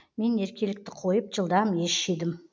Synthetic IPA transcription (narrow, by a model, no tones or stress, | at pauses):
me̞ne̞ɾkʲe̞lɪk̚t̪ɪ̥qʰo̞jəp̚ʒəlˠd̪ɑmje̞ʃʃed̪ɪm